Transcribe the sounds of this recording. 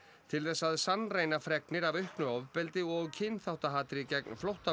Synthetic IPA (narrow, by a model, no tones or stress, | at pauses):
t̪ʰɪlθɛsːaðsanːreːjnafɾɛknɪɾavœhknʏɔvpɛlt̪ɪɔɣcʰɪnθawt̪aɦaːt̪ɾicɛknflɔwht̪a